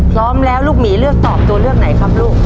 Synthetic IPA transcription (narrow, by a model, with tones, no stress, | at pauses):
pʰlɔː˦˥mlɛː˦˥wluː˥˩k̚miː˩˦lɯ˥˩ək̚t̪ɔː˨˩p̚t̪u˧ɐlɯ˥˩ək̚na˩˦jkʰa˧p̚luː˥˩k̚